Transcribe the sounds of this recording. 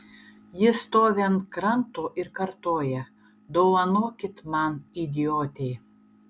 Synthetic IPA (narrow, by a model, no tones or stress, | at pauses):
jɪst̪oːʋʲɛnkɾant̪oʔɪɾkɐɾt̪oːjɛ | d̪owɐnoːkʲɪt̪manid̪ʲioːt̪ʲej